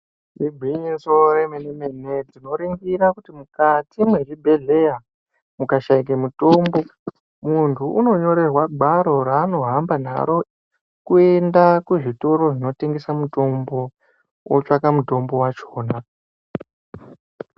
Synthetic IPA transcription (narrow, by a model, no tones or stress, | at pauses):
iɡʱiɲiso̞ɾemenemene̞d͡zino̞ɾiŋɡiɾakutimukatimwe̞t͡ʃibʱe̞ɮe̞ja | mukaʃaik̬emuto̞ːmbo̞ | muntʰuʔuno̞ɲo̞ɾe̞rwaɡʱaɾo̞ɾaːno̞ɦambana̰ɾo̞ | kue̞ndakuʐito̞ɾo̞ʐino̞te̞ŋɡe̞samuto̞mbo̞ | wot͡ʂakamuto̞mbo̞wat͡ʃoːna